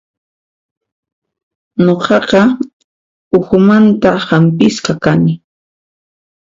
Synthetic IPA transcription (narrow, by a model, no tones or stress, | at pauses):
ɲoqɑqɑ | ʊxʊmant̪ahampɪsqɑkanɪ